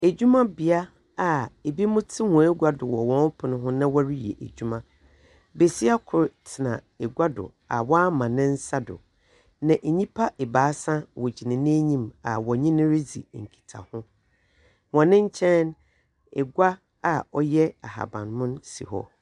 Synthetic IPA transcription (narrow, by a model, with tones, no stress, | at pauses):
æ˨d͡ʑu˦mã˦bɪ˨a˦ | a˨e˨bi˦mʊ̃˦tʰɪ˦hɔ̃˨e˦ɡʷa˦dʊ˨wɔ˨wɔ̃˦n˦pʰʊ˨nʊ̃˦ɦʊ̃˦nã˦wa˦ɾi˦jḛ˨ʔæ̰˨d͡ʑᶣu˦mã˦ | be˨si˦a˦kʰʊ˨ɾtʰɪ˨nã˨ | ɛ˨ɡʷa˦dʊ̰˨ | a̰˨wɔ˦a˦mã˨nɪ̃˦n̩˦sa˦dʊ̰˨ | nã˨ʔe˨ɲĩ˦pʰa˦ʔe˨baː˨˦sã˦wɔ˨d͡ʑi˨nɪ̃˨nɪ̃˦ɲĩ˦ma̰˨wɔ˨ɲĩ˦nɪ̃˦ɾɪ˦d͡zḭ˨ŋ̩˨kʰi̥˨tʰa̰˨hʊ̃˦ | wɔ̃˨nɪ̃˦ɲ˦t͡ɕʰɛ̃˦n | ɛ˨ɡʷa˦ | a˨ɔ˦jɛ˦a̰˨ɦa̰˨bã̰˨nmʊ̃˦nsḭ˨hɔ̰˦